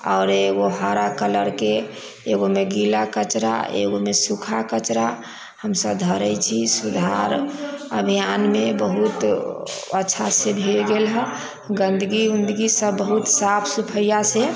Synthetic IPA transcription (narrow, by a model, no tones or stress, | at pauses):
ɔʊɾeɡoɦaɾakələɾke | eɡomeɡilakət͡ʃɾa̰ʔḛɡomesukʰakət͡ʃɾa | həmsəbd̪ʱɔɾɛjt͡ʃʰisud̪ʱaɾəbʱijanmebəɦut̪ | ətːʃʰasebʱilɡelɦə | ɡə̃nd̪əɡiund̪əɡisəbbəɦut̪sapʰsupʰəjase